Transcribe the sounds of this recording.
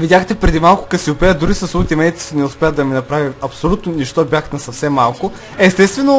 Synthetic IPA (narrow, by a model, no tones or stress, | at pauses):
vid̪ʲaxt̪ɛpɾɛd̪imalˠkʊ̥kɐsiʊpɛəd̪ʊɾisɐsut̪ʲimɛit̪i̥snɛʊspʲɛəd̪ɐminɐpɾaviɐpsolʲut̪noniʃt̪ɔbʲjaxt̪nɐsɐfsɛmːalˠkʊ | ɛst̪ɛst̪vɛno